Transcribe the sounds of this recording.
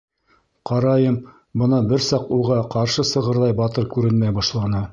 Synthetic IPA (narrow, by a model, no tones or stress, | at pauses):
qɑɾɑjɤm | bɤ̆nɑbɘɾsɑqulˠʁɑqɑɾʃɤsɤ̆ʁɤ̆ɾðˠɑjbɑt̪ɤɾkʉɾɘnmæjbɑʃlˠɑnɤ